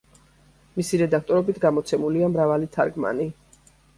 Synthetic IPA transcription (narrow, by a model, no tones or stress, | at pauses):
misiɾɛd̪ak̚ʰt̪ʼɔɾɔbit̪ʰɡamɔt̪sʰɛmuliamɾavalit̪ʰa̰ɾɡma̰ni